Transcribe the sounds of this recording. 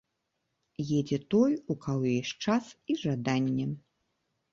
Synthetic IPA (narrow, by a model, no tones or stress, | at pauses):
jɛd͡zʲɛt̪ɔjukawɛʂt͡ʂasiʐad̪anʲːɛ